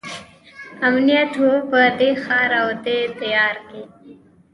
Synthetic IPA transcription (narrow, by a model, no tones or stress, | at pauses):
ɐmnijaʈʰopəd̪exaːɾawd̪et̪ɐjaːɾki